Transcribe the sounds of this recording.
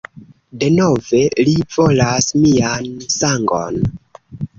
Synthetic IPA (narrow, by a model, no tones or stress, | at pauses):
de̞no̞ve̞livo̞lasmiansaŋɡo̞̰n